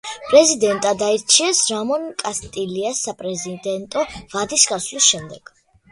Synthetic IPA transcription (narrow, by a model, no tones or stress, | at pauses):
pʼɾɛzid̪ɛnt̪ʼad̪aiɾt͡ʃʰiɛsɾamɔnkʼast̪ʼiliasːapʼɾɛzitd̪ɛnt̪ʼɔvad̪isɡasvlisʃɛmd̪ɛɡ̥